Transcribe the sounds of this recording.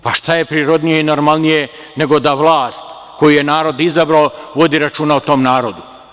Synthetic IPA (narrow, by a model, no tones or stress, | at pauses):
paʃt̪aje̞pɾiːɾo̞d̪nijeinoɾmalˠnije̞ | ne̞ɡo̞d̪aʋlˠaːst̪ | ko̞juje̞naːɾo̞d̪izabɾaoʋo̞d̪iɾat͡ʃuːnaut̪o̞mnaːɾo̞d̪u